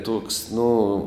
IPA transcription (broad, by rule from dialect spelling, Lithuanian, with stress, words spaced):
ˈtoːks ˈnʊ